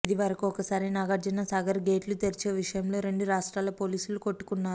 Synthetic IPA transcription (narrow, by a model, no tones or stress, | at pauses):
id̪iʋɐɾɐkuɔkɐsaːɾinaɡɐɾd͡ʒɐnɐsaːɡɐɾɡe̞ːʈlut̪eɾit͡ʃe̞ːʋiʂɐjɐmlo̞ːɾe̞ɳɖuɾaːʂʈɾaːlɐpo̞ːliːsuluko̞ʈːu̥kunːaːɾu